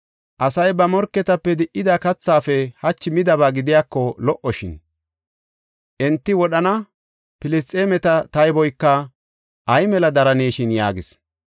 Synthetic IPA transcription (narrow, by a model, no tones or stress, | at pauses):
ʔɐsɐjbɐmɔɾkːɛt̪ɐpːɛd̪ɪʔːɪd̪ɐkɐt͡sːaːfɛhɐt͡ʃːɪmɪd̪ɐbaːɡɪd̪ɪjaːkːɔlɔʔɔʃɪ̰n | ʔɛnt̪ːɪwɔɗɐnɐ | pɪlɪst̪ʼeːmɛt̪ɐt̪ɐjbɔjkːɐ | ʔɐjmɛlɐd̪ɐɾɐneːʃɪnja̰ːɡɪs